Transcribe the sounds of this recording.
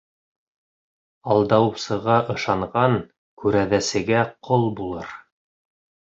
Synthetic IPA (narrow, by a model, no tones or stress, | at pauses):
ɑlˠd̪ɑwsɤ̆ʁɑʔɤ̆ʃɑɴʁɑŋ | kʉɾæðæsɘ̆ɡæqʰolˠbulˠɤɾ